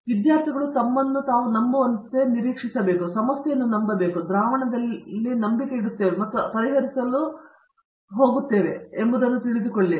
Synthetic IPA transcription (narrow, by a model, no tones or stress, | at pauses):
ʋid̪jaːɾt̪ʰiɡɐɭut̪ɐmːɐnːut̪aːʋunɐmbuʋɐnt̪e̞niɾiːkʂisɐbe̞ːkusɐmɐsjɐjɐnːunɐmbɐbe̞ːkud̪ɾaːʋɐɳɐd̪ɐlːinɐmbikeiɽut̪ːe̞ːʋemɐt̪ːupɐɾiɦɐɾisɐlu | ɦo̞ːɡut̪ːe̞ːʋe̞̰embud̪ɐnːut̪iɭid̪ukoɭːi